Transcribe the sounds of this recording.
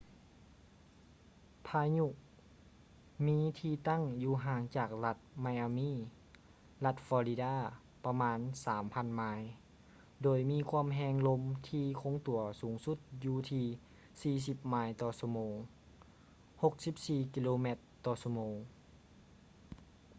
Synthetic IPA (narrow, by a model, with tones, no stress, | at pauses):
pʰaː˧jɲu˧˩ʔ̚ | miː˧˥t̪ʰiː˧t̪a˥˨ŋjuː˧˩ɦaː˨˦ŋt͡ɕaː˨˩k̚la˧˩t̪̚ma˧jʔaː˧miː˥˨ | la˧t̪̚fɔː˧li˧daː˧˥˩ | pa˧maː˧˥nsaː˩˦mpʰa˧˥˨nmaː˧˥j | doː˨˩jmiː˧˥kʰuː˧˥ə˨mɦɛː˧ŋlo˧mt̪ʰiː˧kʰo˧˥ŋt̪u˨˩˦ɐsuː˨˩˦ŋsu˧˩t̪̚juː˧t̪ʰiː˧ | siː˧s̬i˧˦p̚maː˧jt̪ɔː˧so˧moː˨˦ŋ | ho˧k̚si˧˥p̚siː˧˩kiː˧loː˧me˧˩t̪ːɔː˧˩so˧moː˨˦ŋ